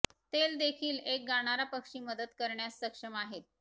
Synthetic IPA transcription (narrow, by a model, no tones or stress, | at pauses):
t̪eld̪ekʰiːlek̚ɡaɽ̃aɾapəkʂiːməd̪əd̪kəɾɳjasːəkʂəmaɦet̪̚